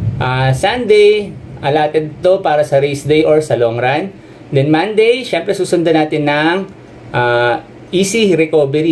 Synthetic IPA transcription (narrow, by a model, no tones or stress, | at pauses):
ʔaːsand̪ɛjʔɐlaːt̪ɛd̪̚t̪o̞paːɾɐsɐɾejsd̪ejʔoɹsɐloŋɾan | d̪ɛnmand̪ɛjʃɛmpɾɛsuːsʊnd̪ɐnaːt̪ɪnːɐŋ | ʔa | ʔiːsiɾɛkoːbɛɾi